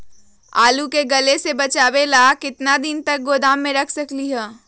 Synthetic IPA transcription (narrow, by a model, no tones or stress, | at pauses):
aːlukeɡɐlesebɐt͡ʃaːwelaːkɪt̪nad̪ɪnt̪ɐk̚ɡoːd̪aːmːẽɾɐkʰsɐkliɦɛː